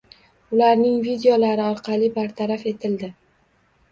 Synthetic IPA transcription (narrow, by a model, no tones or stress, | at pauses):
ʊlaɾnɪŋvid̪eolaɾɪɒɾqʰɑlibaɾt̪ʰaɾafe̞t̪ʰɪld̪ɪ